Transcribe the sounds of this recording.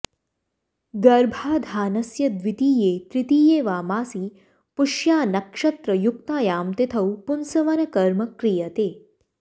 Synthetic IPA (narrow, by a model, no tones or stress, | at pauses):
ɡɐɾbʱaːd̪ʱaːnɐsjɐd̪ʋit̪iːjeːt̪ɾit̪iːjeːʋaːmaːsiː | puʃjaːnɐkʂɐt̪ɾɐjuk̚t̪aːjaːmt̪et̪ʰɐwpunsɐʋɐnɐkɐɾmɐkɾijɐt̪eː